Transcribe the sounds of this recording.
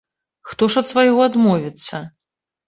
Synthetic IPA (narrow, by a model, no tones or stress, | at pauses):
xt̪ɔʂɐt̪svajɔad̪mɔvʲit̪sːɐ